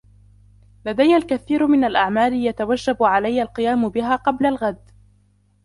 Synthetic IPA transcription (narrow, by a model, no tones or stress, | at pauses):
lad̪ajːalkaθiːɾmɪnalʔaʕmaːlɪjat̪awad͡ʒːabʕalajːalqɨjaːmʊbɪɦaːqɑblalɣad̪